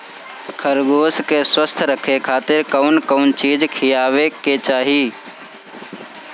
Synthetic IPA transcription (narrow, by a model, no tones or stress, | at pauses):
kʰəɾɡoːskeswəst̪ʰɾəkʰekʰaːt̪ɪɾkəʊnkəʊnt͡ʃiːd͡ʒkʰijaːweket͡ʃaːɦi